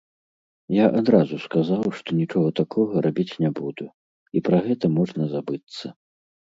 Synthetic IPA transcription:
jaʔad̪ɾazuskazawʂt̪ɔnʲit͡ʂɔɣɐt̪akʰɔɣɐɾʔabʲit͡sʲnʲɛbud̪u | ipɾaɣɛt̪ɐmɔʐnɐzabɨt̪sːɐ

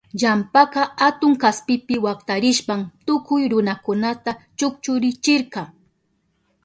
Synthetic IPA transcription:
ʎampaqɑat̪ʊŋkaspɪpɪwakt̪aɾɪʃpamt̪ʊkʊjɾʊnakʊnat̪at͡ʃʊk̚t͡ʃʊɾɪt͡ʃɪɾqɑ

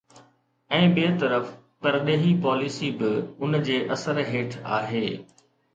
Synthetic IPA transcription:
ɛ̃ːɓeːt̪ɐɾəf | t̪ɐɾɗeːɦipɔːlɪsibɪʊnd͡ʑeːʔɐsəɾɦeːʈʰa̰ːɦeː

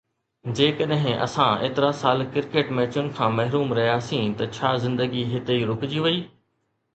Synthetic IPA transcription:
d͡ʑeːkəɗɦɪ̃ʔɐ̰sãḛːt̪ɪɾasaːlkɪɾkeːʈmɛːt͡ɕʊnɪ̆kʰãːmɐɦɾuːmɾɐɦjasĩt̪ɐt͡ɕʰaːzɪ̃nd̪əɡiɦɪt̪eiɾʊkd͡ʑiʋɐiː

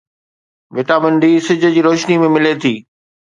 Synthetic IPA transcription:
ʋɪʈaːbə̃nd̪isɪd͡ʑʱʊ̆d͡ʑiːɾoːʃnimẽmɪlet̪ʰiː

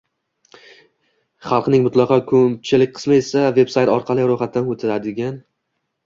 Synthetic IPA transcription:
χɑlˠqnɪŋmʊt̪lˠɑqʰɑkʰɵm̚t͡ʃʰɪlɪk̚ʲqʰɨ̥smaesave̞bsajt̪ɒɾqʰɑlˠɪɾoχat̪̚ːanot̪ʰɪɾad̪ɪɡʲan

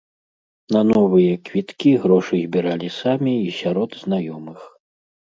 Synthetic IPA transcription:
nɐnɔvɨjɐkvʲit̪kʲiɣɾɔʂɨzʲbʲiɾalʲisamʲiːsʲaɾɔd̪znajɔmɨx

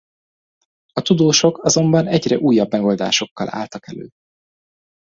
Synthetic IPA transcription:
ɒt̪ud̪oːʃo̞kɒzo̞mbɒnɛɟrɛʔuːjːɒbːmɛɡo̞ld̪a̰ːʃo̞kːɒla̰ːlt̪ɒkɛlø̰ː

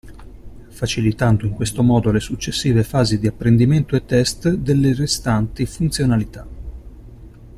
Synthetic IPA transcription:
fat͡ʃilit̪and̪oiŋkwest̪omɔːd̪olesut͡ʃːesːiːvefaːzid̪iapːɾend̪iment̪oet̪ːɛst̪d̪elːerest̪ant̪ifunt̪sjonalit̪a

